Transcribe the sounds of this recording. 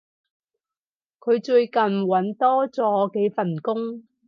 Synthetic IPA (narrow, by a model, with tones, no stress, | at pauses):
kʰɵ˨˧ɥt͡ʃɵ˧ɥkɐ˨nwɐ˨˥nt̪ɔː˥t͡sɔː˨˥ke˨˥jfɐ˨˩nkʊ˥ŋ